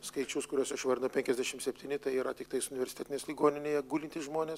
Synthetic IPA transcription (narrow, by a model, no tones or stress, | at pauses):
skɐɪt͡ʃʲʊskʊɾʲuɔsɐʃʋɐrʲd̪ʲɪnɐpʲɛŋʲkʲɛzʲd̪ʲæʃʲɪmt̪sʲɛpʲt̪ʲiːnʲɪt̪ɐɪiːɾɐt̪ʲɪk̚t̪ɐɪsʊnʲɪʋʲɛɾʲsʲɪt̪ʲɛːt̪ʲɪnʲeːslʲiɡoːnʲɪnʲeːjɛɡuːlʲɪnʲt̪ʲɪsʒmoːnʲeːs